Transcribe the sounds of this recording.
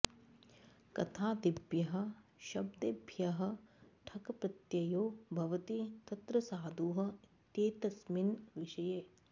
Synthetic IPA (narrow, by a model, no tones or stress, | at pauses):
kɐt̪ʰaːd̪ibjɐɦɐ̆ʃɐbd̪ɐbʱjɐɦɐ̆ʈʰɐkɐpɾɐt̪jɐjoːbʱɐʋɐt̪it̪ɐt̪ɾɐsaːd̪ʱuːɦɐ̆t̪jeːt̪ɐsminʋɪʃɐjeː